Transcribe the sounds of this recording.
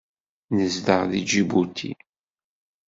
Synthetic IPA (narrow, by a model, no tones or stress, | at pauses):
nəzdəʁðid͡ʒibut̪ʰḭ